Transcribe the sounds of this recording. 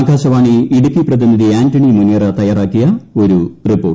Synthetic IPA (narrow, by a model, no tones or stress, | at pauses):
ɡaːɕɐʋaːɳɨiɽukːiprɐðiniðiaːntɐɳimunijɐrɐt̪ɐjaːraːkːijɐo̞ɾuripːo̞ːʈ